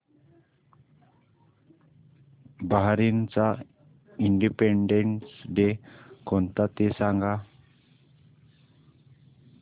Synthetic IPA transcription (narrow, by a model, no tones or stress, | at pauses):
baɦaɾint͡sa | iɳɖipeɳɖeɳʈsɖekɔnt̪at̪esaŋɡa